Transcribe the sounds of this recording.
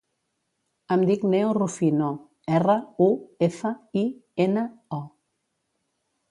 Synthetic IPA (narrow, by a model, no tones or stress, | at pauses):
amd̪iknewrufino | ɛrəuefəienəɔ